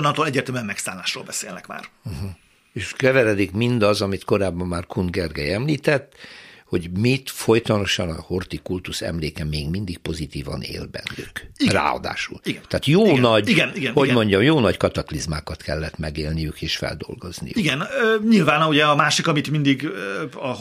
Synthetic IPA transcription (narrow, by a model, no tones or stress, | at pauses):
nɒnt̪oːlɛɟːeːrt̪ɛmyɛmmɛksaːlːaːʃro̰ːlbɛseːlnɛkma̰ːr̩ɦ̩ | eːʃkɛvɛɾɛd̪ikmind̪ɒzɒmit̪ko̞ɾaːbːɒmːaːrkʰund̪ɡɛrɡɛ̰jɛmliːt̪ɛt̪ːho̞ɟmit̪fo̞jt̪ɒno̞ʃɒnɒho̞rt̪ikult̪usɛ̰mleːkɛmeːɡmind̪ik̚po̞zit̪iːvɒ̰nḛːlbɛ̰nːykira̰ːɒ̰d̪a̰ːʃuliɡɛt̪aːt̪joːnɒɟiɡɛniɡɛnhomo̞ɲɟɒmjoːnɒckɒt̪ɒklizma̰ːkɒt̪kɛlːɛt̪mɛɡeːlnijykeːʃfɛ̰ld̪o̞̰lɡo̞znḭjuiɡɛnøɲilvaːnɒuɟɛɒmaːʃikɒmit̪mind̪iɡɒ